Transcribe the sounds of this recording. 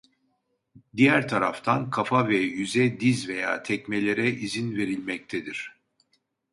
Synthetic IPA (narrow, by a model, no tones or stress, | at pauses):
d̪ijæɾt̪ʰaɾaft̪ʰankʰafavɛjyzɛd̪izve̞ja̰ːt̪ʰɛcmelʲe̞ɾɛʔizinve̞ɾilʲmɛc̚t̪ʰed̪iɾ̥